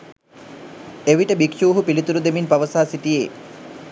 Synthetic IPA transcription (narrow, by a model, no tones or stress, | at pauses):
eʋiʈəbikʃuːɦupilit̪uɾud̪eminpaʋəsaːsit̪ijeː